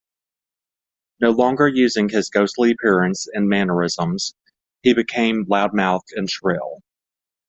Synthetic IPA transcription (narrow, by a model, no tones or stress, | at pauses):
noʊlɔ̃ŋɡə˞jʉzɪ̃ŋɨzɡoʊstˡliɨpʰɪɹɨ̃nsɨ̃nmænə˞ɪzə̃mz̥ | hibɨkʰẽɪ̃mlaʊd̚maʊθɨ̃nʃɹɪ̰lˠ